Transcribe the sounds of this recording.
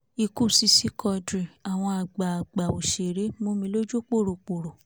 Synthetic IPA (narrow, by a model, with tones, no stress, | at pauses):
i˧ku˦˨si˧˦si˦kʰɔ˧dɾi˨a˨w̃ɔ̃˧a˨ɡ͡ba˨ɡ͡ba˨o˨ʃe˨ɾe˨˦mo˦mĩ˧lo˦d͡ʒu˦k͡po˦˨ɾo˨k͡po˨ɾo˨